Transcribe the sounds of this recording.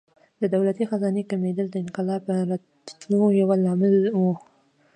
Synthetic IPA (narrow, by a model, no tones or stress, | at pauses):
d̪əd̪awlat̪ixazɑnekamed̪əld̪əɪnqɪlɑpəɾat̪ | t̪lojawalːɑmɪlwu